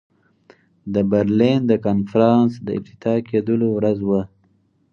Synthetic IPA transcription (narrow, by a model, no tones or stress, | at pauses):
d̪əbəɾlind̪əkɑnfɾɑnsd̪əɪ̰b̚t̪ɪ̥t̪ɑkʰed̪əlowɾazwə